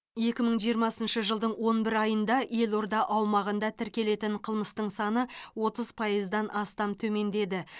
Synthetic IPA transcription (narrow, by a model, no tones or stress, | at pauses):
je̞kʲɪməɴʒijəɾmɑsənʃəʒəlˠd̪əɴwo̞nbɪɾɑjənd̪ɑje̞lˠo̞ɾd̪ɑʔɑwmɑʁənd̪ɑt̪ʰɪɾkʲe̞le̞t̪ɪɴqʰəlˠməst̪əɴsɑnəwo̞t̪əzpʰɑjəzd̪ɑnʔɑst̪ɑmt̪ʰɵme̞nd̪e̞d̪ɪ